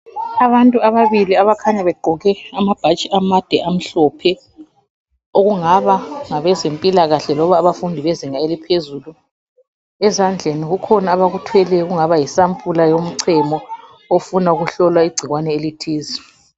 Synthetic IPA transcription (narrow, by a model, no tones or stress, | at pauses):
aβantʼuaβaβiliaβakʰaɲaβɛɡ͡ǃʱɔɣɛamab̥ʱat͡ʃʼiʔamad̥ʱɛʔam̩ɬɔpʰɛ | oɣuŋaβaŋaβɛzempʼilaɣaɬɛlɔβaːβafundʱiβeziŋaelipʰezulu | ɛzand͡ɮʱeniɣukʰɔnaːβaɣutʰwɛlɛɣuŋaβajisampʰʼulajom̩ǀʰɛmɔ | ofunauɣuɬɔlwaiɡ͡ǀʱiɣwanɛelitʰiːzi